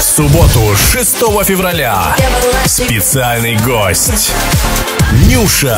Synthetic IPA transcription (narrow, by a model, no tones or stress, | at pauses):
sʊbot̪ʊʂɨst̪ɔvəfʲɪvrɐlʲa | spʲɪt̪sɨalʲnɨjɡosʲtʲ | nʲuʂə